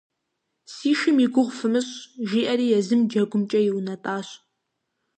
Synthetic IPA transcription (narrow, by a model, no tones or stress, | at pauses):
siːʃɪmiɡʷʊʁʷfɨmɨɕʒiːʔɐɾiːjɛzɨmd͡ʒɐɡʷʊmt͡ʃʼɐjɪwnɐtʼaːɕ